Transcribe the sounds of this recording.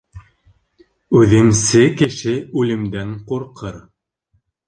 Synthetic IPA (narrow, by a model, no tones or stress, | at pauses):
ʉðɘ̆msɘkɘ̆ʃɘʉlɘ̆md̪æŋquɾqʰɤɾ